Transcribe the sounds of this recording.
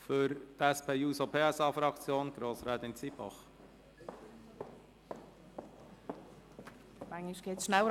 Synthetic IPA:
fʏɾt̪ɛspʰeːuːsopʰeːɛsɑːfɾɑkt͡sjoːnɡ̥ɾoːsɾɛːt̪ɪnt͡sibɑ̰χ | mæŋliʃɡ̥eːtʃnæwə

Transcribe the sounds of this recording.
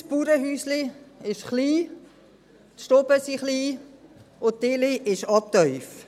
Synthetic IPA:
spuːɾəɦyːsliɪʃχliː | t̪ʃtɔbəsiχliː | ʊttɪliʔɪʃɑp̚tœʏf

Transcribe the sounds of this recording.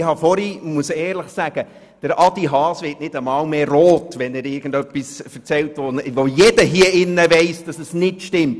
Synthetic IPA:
ɪhɑfɔɾimuəsɛːɾləχsæɡ̥ə | d̥əɾʔɑd̥iɦɑːsʋɪːtnɪd̥əmɑːlmeroːtʋɛnɛɾɪɾɡ̥ən̩dœpːisfəɾt͡sɛltʋoʋojedəɦiəɪnːəvɛɪsd̥ɑsəsnɪtʃtɪmt

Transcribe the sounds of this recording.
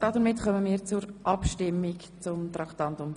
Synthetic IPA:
d̥ɑdəɾmɪtχœməmiːt͡sʊɾʔɑpʃtɪmːɪk | t͡sʊmt̪ɾɑkt̪ɑntʊm

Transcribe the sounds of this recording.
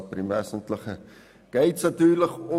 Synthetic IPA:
primvæːsəntləχə | ɡ̥ɛjtsnɐtyːrləkɔ

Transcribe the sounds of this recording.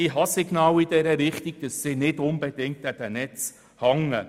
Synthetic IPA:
iɦɑsɪɡnɑːwidɛɾəɾɪχtiɡ̥̚d̥əsːɪnɪdʊnbɛd̥ɪŋk̚tæd̥ənɛt͡s | hɑŋə

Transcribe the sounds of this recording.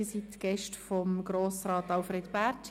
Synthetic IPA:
sitɡ̥ɛʃtfɔmɡ̥ɾoːsɾɑːtɑlfɾeːd̪pæɾt

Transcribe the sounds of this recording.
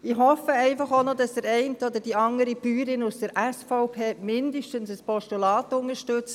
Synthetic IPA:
ɪːɦɔfəɛɪfɑχonodɑsdəɾɛɪntəɔd̪əd̥iɑŋəɾibyːɾɪnusd̥əɾʔɛsfɔʊpʰeːmɪndəʃtənsəspɔʃtulɑːtʊŋəɾʃtʏt͡s

